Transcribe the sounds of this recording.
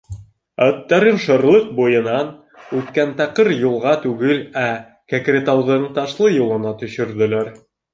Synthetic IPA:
æt̪ːæɾɘnʃɤ̆ɾlˠɤq̚bujɤ̆nɑn | ʉt̪̚kænt̪ɑqɤɾjulˠʁɑt̪ʉɡɘlæ | kækɾʲet̪ɑwðɤɴt̪ɑʃlˠɤjulˠɤ̆nɑt̪ɵ̆ʃɵ̆ɾðɵ̆læɾ

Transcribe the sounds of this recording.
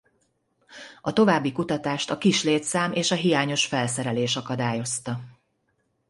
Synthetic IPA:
ɒt̪o̞vaːbːikut̪ɒt̪aːʃt̪ɒkiʃleːt̪saːmeːʃɒɦijaːɲo̞ʃfɛlsɛɾɛleːʃɒkɒd̪aːjo̞st̪ɒ

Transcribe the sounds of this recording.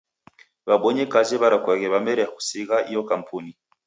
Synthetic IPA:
βaɓɔɲɛkazɛβaɾakwaɣɛβamɛɾɛaku̥siɣaʔijɔkam̩pʰuni

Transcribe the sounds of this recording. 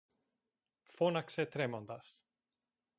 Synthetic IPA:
fonaksɛt̪ʰɾemɔnd̪as

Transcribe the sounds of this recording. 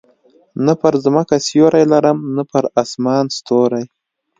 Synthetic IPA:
nəpəɾzməkasjoɾajlaɾəmnapəɾasmɑːnst̪oɾaj

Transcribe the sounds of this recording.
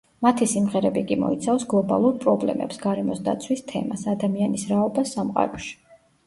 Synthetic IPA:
mat̪ʰisimʁɛɾɛbikʼimɔ̰it̪sʰafsɡlˠɔba̰lˠuɾpʼɾɔblɛ̰mɛ̰psɡaɾɛmɔsd̪a̰t̪sʰwist̪ʰɛ̰masad̪amianisɾaɔbasːamqʼa̰ɾɔʃi̥

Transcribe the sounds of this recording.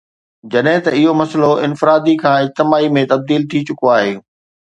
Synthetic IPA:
d͡ʑɐɗɦɪ̃t̪ɐɪɦomɐsloɪnfɪɾaːd̪ikʰãːɪd͡ʑt̪ɪmaːimẽt̪ɐb̚d̪iːlt̪ʰit͡ɕʊkoaːɦeː

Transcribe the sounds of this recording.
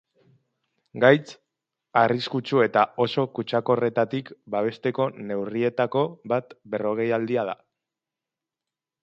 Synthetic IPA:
ɡajt͡s | ariskut͡ʃue̞t̪ao̞so̞kut͡ʃako̞re̞t̪at̪ikbaβ̞e̞st̪e̞ko̞ne̞wrie̞t̪ako̞βat̪be̞ro̞ɣ̞e̞jald̪iað̞a̰

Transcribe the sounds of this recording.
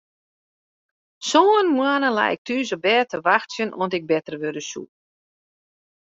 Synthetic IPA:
soːnmwanəla̰ɪ̰k̚tʰyəzəbɛːtʰəʋaxtsjənʔɔntɪɡ̚bɛtərʋødəsṵ

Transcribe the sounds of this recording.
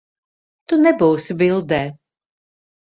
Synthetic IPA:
t̪unɛbuːsbilˠd̪ɛː

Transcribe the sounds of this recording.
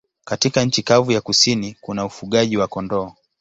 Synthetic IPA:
katikaɲ̩t͡ʃikavujakusinikunaufuɠaʄiwakɔndɔː

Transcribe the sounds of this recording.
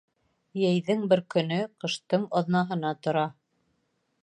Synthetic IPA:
jæjðɘŋbɘɾkɵ̆nɵqɤ̆ʃt̪ɤɴɑðnɑɦɤ̆nɑt̪ŏɾɑ

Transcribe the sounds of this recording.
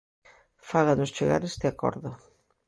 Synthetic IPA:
faɣanʊst͡ʃeɣa̰ɾest̪ɪakɔ̰ɾðʊ

